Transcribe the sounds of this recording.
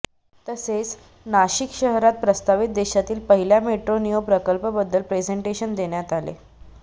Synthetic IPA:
t̪əset͡s | naɕikɕəɦɾat̪̚pɾəst̪aʋit̪̚d̪eɕat̪iːlpəɦiljameʈɾonijopɾəkəlpəbəd̪ːəlpɾed͡zeɳʈeɕənd̪eɳjat̪alḛ

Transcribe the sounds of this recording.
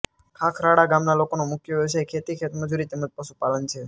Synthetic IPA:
kʰakʰɾaɽaɡamnalokonomʊkjəeʋsʰakʰet̪ikʰet̪məd͡ʒuɾit̪eməd͡ʒpəʃupalənt͡ʃʰe

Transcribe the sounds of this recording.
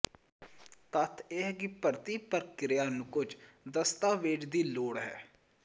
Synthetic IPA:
t̪ət̪ʰeɦɡiːpəɾt̪iːpəɾkɪɾɪjaːnũkʊd͡ʒd̪əst̪aːʋeːd͡ʒd̪iːloːɽɦɛ̰ː

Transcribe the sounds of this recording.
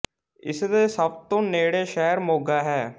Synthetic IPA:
ɪ̰sd̪eːsəbt̪õːneːɽeːʃɛːɾmoːɡaːɦɛː

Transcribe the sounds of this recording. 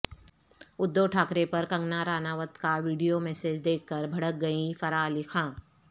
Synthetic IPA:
ʊd̪ːoːʈʰaːkɾepɐɾkɐ̃ŋɡnaɾaːnaːʋət̪kaʋiːɖijomɛːseːd͡ʒd̪eːkʰːəɾbʱɐɽək̚ɡɐifɐɾaːlikʰãː

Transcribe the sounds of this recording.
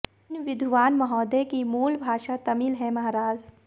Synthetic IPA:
nʋɪd̪ʱʋaːnmɐɦɔːd̪ekimuːlbʱaːʃat̪ɐmilɦɛmɐɦaɾaːz

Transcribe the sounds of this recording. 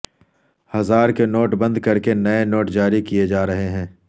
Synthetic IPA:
hɐzaːɾkenoːʈbɐ̃nd̪kɐɾkenɐenoːʈd͡ʒaːɾikied͡ʒaːɾɐɦeɦɛ̃ː

